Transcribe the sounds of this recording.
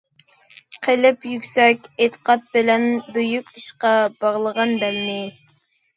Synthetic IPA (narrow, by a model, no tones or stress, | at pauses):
qʰelɪpjykʲsɛkʲet̪ʰə̥qʰɑt̪̚bɪlɛnbøjykʲiʃqɑb̥ɑʁlˠəʁɑnb̪ɛnːɪ